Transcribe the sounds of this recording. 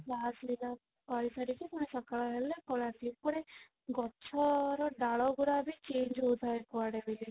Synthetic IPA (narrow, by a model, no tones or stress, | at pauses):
lasmila | paɾisaɾikʰikuɽ̃esɔkaɭɔɦelekɔlat̪ikuɽ̃e | ɡɔt͡ʃʰɔɾɔɖaɭɔɡuɾabit͡ʃend͡ʒɦot̪ʰaekɔaɽebili